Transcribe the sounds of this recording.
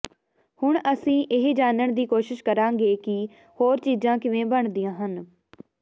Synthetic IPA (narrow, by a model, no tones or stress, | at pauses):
hʊɳəsĩːʔɪɦd͡ʒaːnəɳd̪iːkoːʃɪʃkəɾãːŋɡeːkɪ | hoːɾt͡ʃiːzãːkɪʋẽːbəɳd̪ijãːɦən